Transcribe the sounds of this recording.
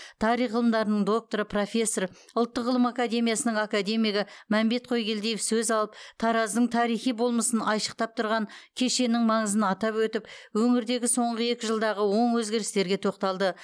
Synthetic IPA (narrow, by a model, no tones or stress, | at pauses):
t̪ʰɑɾijʁəlˠəmd̪ɑɾənəɴd̪o̞k̚t̪o̞ɾəpʰro̞fʲe̞sːo̞r | ʊlˠt̪ːəqʁəlˠəmakad̪e̞mijasənəɴakad̪e̞mijɡʲɪmæmbe̞t̪̚qʰo̞jɡʲe̞ld̪ejefsɵzɑlˠəp̚t̪ʰɑɾɑzd̪əɴt̪ʰɑɾijχijbo̞lˠməsənɑjʃə̥q̚t̪ɑp̚t̪ʰʊɾʁɑŋkʲʰe̞ʃe̞nɪŋmɑɴəzənɑt̪ɑpwɵt̪ɪpwɵŋɪɾd̪e̞ɡʲɪso̞ɴʁəe̞kʲɪʒəlˠd̪ɑʁəwo̞ɴwɵzɡʲe̞ɾɪst̪e̞ɾɡʲe̞t̪ʰo̞q̚t̪ɑlˠd̪ə